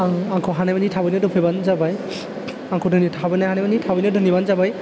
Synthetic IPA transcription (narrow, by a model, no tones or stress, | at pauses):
aŋaŋkʰɔɦanamanitʰabɯnɔdɯpʰɯbanzabaj | aŋkʰɔdʱɯnitʰabɯnaɦanamnitʰabɔnɔdʱɯnjibanzabaj